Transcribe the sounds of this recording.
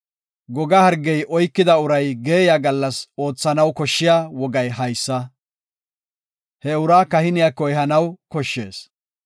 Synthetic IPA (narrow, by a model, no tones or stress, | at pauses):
ɡɔɡɐhɐɾɡɛjʔɔjkːɪd̪ɐʊɾɐjɡeːjaɡɐlːɐso̞ːt͡sːɐnɐwkɔʃːɪjaːwɔɡɐjɦɐjsːɐ | hɛʊɾaːkɐhɪnɪjakːɔjɛɦɐnɐwkɔʃːe̞ːs